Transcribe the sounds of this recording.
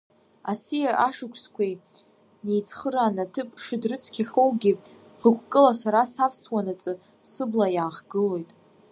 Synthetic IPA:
asijaʔaʂɨkʷʰskʷʰej | ne̞jt͡sʰχəɾanatʰɨpʼʂɨdrɨt͡sʰkʲʰaχowɡʲi | χəkʷʰkʼɨlasaɾasapʰswanat͡sʼɨ | sɨblajaːχɡɨlo̞jtʼ

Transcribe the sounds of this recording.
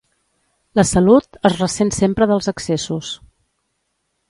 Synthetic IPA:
ləsəlut̪əzrəsensempɾəðəlˠzəksesus

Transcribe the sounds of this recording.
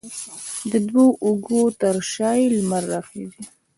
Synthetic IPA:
d̪əd̪woʔʊɡot̪əɾʃɑjlmaɾːɑxizi

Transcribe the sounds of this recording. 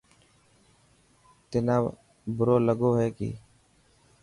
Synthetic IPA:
t̪ɪnaː | bʊɾoːləɡoːɦɛːkḭː

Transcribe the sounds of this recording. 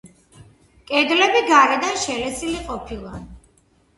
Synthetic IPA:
kʼɛd̪lɛbiɡaɾɛd̪anʃɛlɛsiliqʼɔpʰilˠa

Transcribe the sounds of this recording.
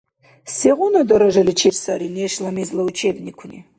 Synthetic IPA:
seʁʷʊnad̪ɐɾaʐalit͡ʃʰirsaɾineʃlamizlaut͡ʃʰebnʲikʷʰʊni

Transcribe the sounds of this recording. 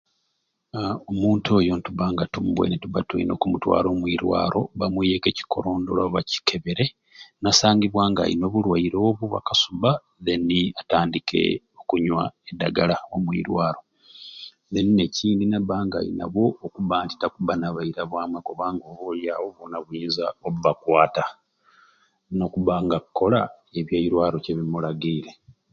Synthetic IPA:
omuːntʰoːjontuβaːŋɡatumbwḛnetuβatuḭno̞̰ːkumutwa̰ːɾo̞ːmwiɾwa̰ːɾʔo̞βamwije̞ke̞ci̥kʰo̞ɾo̞ːndo̞̰laβaci̥kʰe̞βe̞ɾe̞ | nasaːɲɡiβwaːŋɡa̰ḭno̞βulwaiɾo̞ːβuβa̰kasuβa | ðe̞niataːndikʰḛ | okuɲwa̰edaɡalaomwḭɾwaːɾo̞ | nenine̞ciːndinaβaːŋɡa̰ḭna̰βo̞ːkuβaːnti̥takuβanaβaiɾaβwaːmwekoβaːŋɡoβuljaːβoβonaβwiːnzaoβuβakwaːta | no̞kuβaŋɡakːo̞la | eβjaiɾwaːɾoceβimulaɡiːle̞

